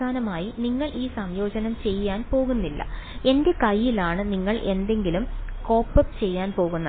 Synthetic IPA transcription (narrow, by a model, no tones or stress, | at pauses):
aːnɐmaːjiniŋːɐɭʔiːsɐmjo̞ːd͡ʑɐnɐmt͡ɕe̞jːaːnpo̞ːɣunːilːɐ̰e̞nde̞kɐjːilaːɳɨniŋːɐɭʔe̞nd̪e̞ŋɡilumko̞ːpːɐpːt͡ɕe̞jːaːnpo̞ːɣunːɐ